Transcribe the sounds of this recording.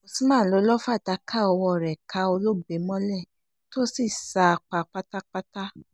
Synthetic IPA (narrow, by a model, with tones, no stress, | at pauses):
mo˨si˨˦mãː˦˨˦lo˨˧˦lɔ˦fa˦˨da˨˧˦kʰa˦˨ɔ˧wɔ˧˨ɾɛ˨ka˧o˧lo˦be˨˦mɔ̃˦lɛ˦˨ | to˦si˦˨sa˧a˧k͡pa˧k͡pa˦ta˦k͡pa˦ta˦